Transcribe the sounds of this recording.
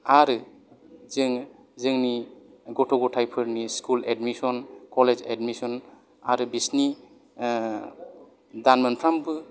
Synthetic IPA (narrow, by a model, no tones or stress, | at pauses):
aɾɯ | zɯŋ | zɯŋni | ɡɔtʰɔɡɔtʰajpʰɯɾniskuledmisɔnkɔled͡ʒḛdmisɔn | aɾɯbisni | danmɯnpʰɾambɯ